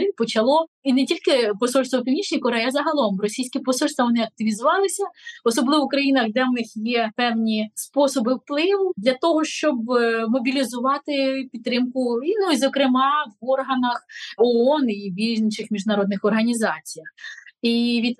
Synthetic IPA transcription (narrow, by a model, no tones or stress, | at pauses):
ipɔt͡ʃɐlˠɔinɛtʲilʲkɪpɔsɔlʲst̪ʋɔpʲiwnʲit͡ʃnʲijkɔɾɛjɐzɐɦɐlˠɔmɾɔsʲijsʲkʲipɔsɔlʲst̪ʋɐʋɔnɪɐk̚t̪ɪʋʲizʊʋɑlˠɪsʲɐɔsɔblˠɪʋɔukɾɐjinɐxd̪ɛwnɪxjɛpɛwnʲispɔsɔbɪwplˠɪʋʊd̪lʲɐt̪ɔɦɔʃt͡ʃɔbmɔbʲilʲizʊʋɑt̪ɪpʲid̪̚ːɾɪmkʊinuizɔkɾɪmɑʋɔrɦɐnɐxɔɔniʋʲinʲit͡ʃɪxmʲiʒdnɐɾɔd̪nɪxɔrɦɐnʲizɑt͡sʲijɐxiʋʲid̪